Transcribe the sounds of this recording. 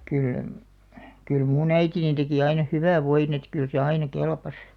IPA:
kyl kyl muːn æitinin teki ɑinɑ hyʋæˑʋ̆ ʋoin et kyl se ɑinɑ kelpɑs

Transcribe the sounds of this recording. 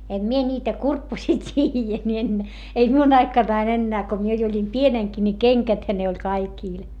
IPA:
em mie nʲiːtæ kurpːosiː tʲiːjæ mie en ei miun ɑikɑnɑin enːæː ko mie jo olʲim pieneŋki ni keŋkæthæ ne olʲ kɑikiˑl

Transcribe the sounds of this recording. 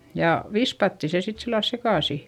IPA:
jɑ ʋispɑtːi se sit silːɑl sekɑˑsi

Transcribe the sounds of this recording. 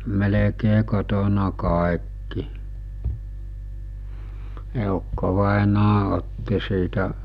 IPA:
melekeː kotonɑ kɑˑekːi eˑukːoʋɑˑenɑː otːi siːtæ

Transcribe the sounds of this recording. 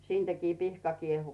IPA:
siːntækiː pihkɑ kiehu

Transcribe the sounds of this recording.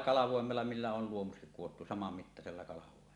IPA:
kɑlɑʋoˑemelːɑ milːæ ol luomukset kuwotːu sɑmɑmːitːɑselːɑ kɑlɑʋoˑemelːɑ

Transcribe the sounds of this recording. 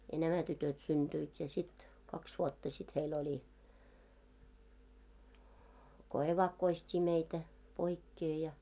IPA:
jɑ næmæ tytøt synd̥yit jɑ sit kɑks ʋuotːɑ sit heil olʲi ko eʋɑkːoistʲiː meitæ poikːeː jɑ

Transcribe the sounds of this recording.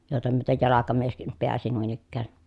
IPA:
joˑetɑ myøtej jɑlɑkɑmieskim peæsi nuin ikːæː

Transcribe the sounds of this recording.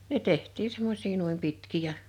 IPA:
ne tehtˑiː semːosiː nuim pitkiˑ jɑ

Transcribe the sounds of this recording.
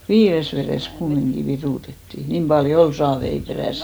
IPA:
ʋiːres ʋereˑs kumːiŋɡ̊i ʋiruˑtetːi niːm pɑljo ol sɑːʋei peræˑsi

